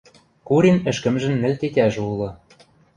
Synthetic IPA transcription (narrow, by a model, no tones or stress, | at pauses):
kuɾʲinɘ̆ʃkɘ̆mʒɘ̆nːɘ̆lʲt̪et̪ʲæʒulɤ̆